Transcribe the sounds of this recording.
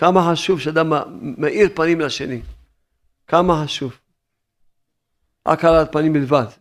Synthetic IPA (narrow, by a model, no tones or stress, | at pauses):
kamaħaʃuvʃɛad̪amːeʔiʁpanimlaʃeni | kamahaʃuv | ʔa̰kalatpanimbilvad̪